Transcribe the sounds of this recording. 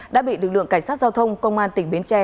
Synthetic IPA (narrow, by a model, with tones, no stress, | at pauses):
ɗa̰ː˧˥ɓḭ˧˨lɨ˨˩k̚lɨ̰˧˨əŋka˧˩jŋsa˦˥t̚zaː˧wt̪ʰə˧wŋ͡mkə˧wŋ͡mʔaː˧nt̪ï˨˩ŋ̟ɓi˨˦ənt͡ɕɛ˧